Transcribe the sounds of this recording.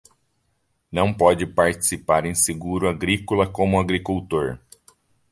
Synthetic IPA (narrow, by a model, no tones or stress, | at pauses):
nɐ̃w̃pɔd͡ʒɪpaɾt͡ʃi̥sipaɾẽj̃seɡuɾʊaɡɾikʊlɐkõmʊaɡɾikuwt̪oɾ